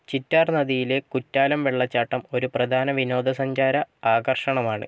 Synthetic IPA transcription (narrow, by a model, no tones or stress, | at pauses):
t͡ɕitːaːrnɐðijile̞kutːaːlɐmʋeɭːɐt͡ɕːaːʈːɐmo̞ɾuprɐd̪ʱaːnɐʋino̞ːd̪ʱɐsɐɲd͡ʑaːɾɐaːɡɐrʂɐɳɐmaːɳɨ̰